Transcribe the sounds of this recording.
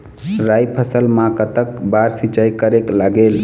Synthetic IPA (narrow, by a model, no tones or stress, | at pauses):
ɾajpʰəsəlmãkət̪əkbaɾsit͡ʃajkəɾeklaɡel